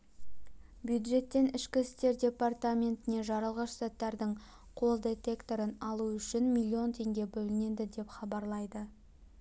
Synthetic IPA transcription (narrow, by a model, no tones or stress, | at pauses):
bjud̪ʒe̞t̪ːe̞nɪʃkʲɪɪst̪e̞ɾdʲe̞part̪amʲe̞nt̪ɪne̞ʒɑɾəlˠʁɑʃst̪at̪ːɑɾd̪əɴ | qʰo̞lˠd̪e̞t̪e̞kt̪o̞ɾənɑlˠuʏʃɪnmʲilʲːio̞nt̪ʰe̞ŋɡʲe̞bɵlɪne̞d̪ɪd̪e̞pχɑbɑɾlˠɑjd̪ə